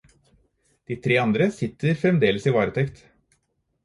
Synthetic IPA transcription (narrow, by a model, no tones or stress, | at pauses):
d̪̥iːt̪ʰɾeːɑnd̪ɾəsɪt̪ːəɾfɾɛmd̪eːləsiːʋɑːɾət̪ʰɛkt̪